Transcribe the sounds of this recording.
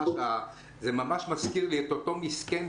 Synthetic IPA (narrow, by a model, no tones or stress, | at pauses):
a | zemamaʃmaskiʁliet̪ot̪o̞misken